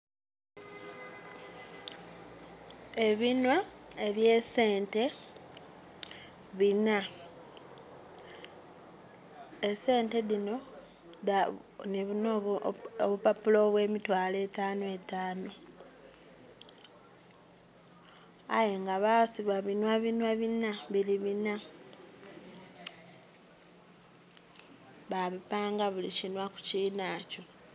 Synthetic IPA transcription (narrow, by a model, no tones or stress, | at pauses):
e̞βinwae̞βje̞se̞ːnte̞ | βina | ese̞ːnte̞ðino̞ | aniβunooβupapulo̞βwe̞ːmitwaːle̞taːnoetaːno̞ | a̰jeŋɡaβasiβaβinwaβinwaβinaβiliβina | βaβipaːŋɡaβulicinwaku̥ciːnaco̞